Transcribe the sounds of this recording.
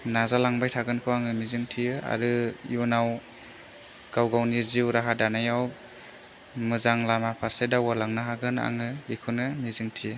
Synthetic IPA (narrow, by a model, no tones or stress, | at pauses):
nazalaŋbajtʰaɡɯnkʰɯwaŋɯmizɯŋtʰijɯa̰ɾɯjunaw | ɡ̥awɡawniziwɾaɦadanajaw | mɯzaŋlamapʰaɾsedawalaŋnɯɦaɡɯna̰ŋɯbikʰunɯmizɯŋtʰijɯ